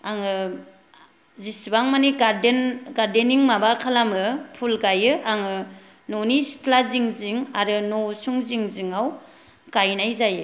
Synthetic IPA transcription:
aŋɯ | zisbaŋmaniɡaɾdenɡaɾdeniŋmabakʰalamɯpʰulɡajɯaŋɯ | nonistʰlaziŋziŋaɾɯnosuŋziŋziŋaw | kajnajzajɯ

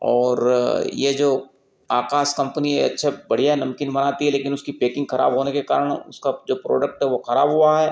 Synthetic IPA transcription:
ɔːɾjed͡ʒoː | aːkaːskɐ̃mpnieɐ̰tːʃʰebɐɽ̤ijaɦɛnɐ̃mkɪnbɐnaːt̪iɦɛleːkɪnʊskipeːkɪ̃ŋɡxɐɾʔa̰ːbɦoːnekeka̰ːɾəɽ̃ʊ̰skad͡ʒoːpɾo̰ːɖək̚ʈɦɛʋoxɐɾa̰ːbɦʊaɦɛː

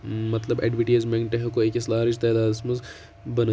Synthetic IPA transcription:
mɐt̪ləbɛ̰ɖʋɪʈeːzmẽŋʈɐɦkoeːkɪslaːɾɪd͡ʒt̪ɛːd̪aːd̪ɪsmɐz | bɐn

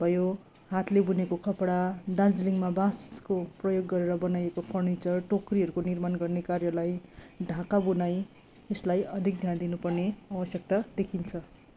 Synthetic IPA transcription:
b̥ʱʌjo | ɦat̪lebunekokʰʌpɽad̪ard͡zliŋmabãskoprʌjoɡːʌɾeɾʌbʌnajekopʰʌrnit͡sʌrʈokriɦʌɾukonirmanɡʌrnekarjʌlajɖʱãkabunaj | eslajʌd̪ʱik̚d̪ʱjand̪inupʌrneawʌsjʌk̚t̪ad̪ekʰint͡sʰʌ

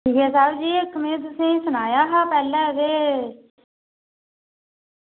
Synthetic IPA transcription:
ʈʰiːkɛːsaːbd͡ʒiːɪkmẽːt̪̬ʊsẽːsʊnaːjaːɦaːpɛːlɛ̃ːdeː

